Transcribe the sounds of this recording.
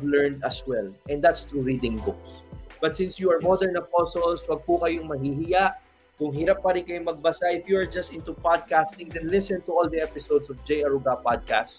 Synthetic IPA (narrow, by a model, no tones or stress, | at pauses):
vlɛɹnd̪ɐswɛlʔɛnd̪at̪st̪ɹuɹid̪ɪ̃ŋbʊksb̥ɐt̪̚sɪ̃nsjuɐɹmod̪ɛɹnɐposolswɐɡ̚pʊkɐjoŋmɐɦiɦɪjaʔ | kʊŋɦɪɾap̚ːɐɾɪnkɐjoŋmɐɡ̚bɐsaʔɪfjuɐɹd͡ʒɐst̪ɪ̃nt̪upad̪̚kast̪ɪ̃ŋd̪ɛnlɪsɛ̃nt̪ʊold̪iɛpɪsowd̪sɔfd͡ʒɛjɐɹuɡapad̪̚ka̰st